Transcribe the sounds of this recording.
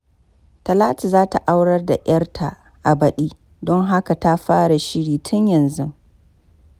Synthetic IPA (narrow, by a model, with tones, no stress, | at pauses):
tɐ˨laː˦ti˨zaː˦ta˨ʔa˦wɽɐ˦rda˨ʔj̰ɐ˦rtʰa˨ | ʔa˨bɐ˨ɗiː˦ | dɔ˦ŋɦa˦ka˨ta˦ɸaː˦ɽa˨ʃɪ˦ɽiː˨tʰʊ˦ɲjɐ˨nzʊ˦